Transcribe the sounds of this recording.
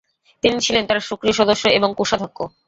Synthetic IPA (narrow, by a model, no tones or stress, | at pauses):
t̪init͡ɕʰilent̪aɾʃukɾiʃɔd̪oʃːoeboŋkuʃad̪ʱokːo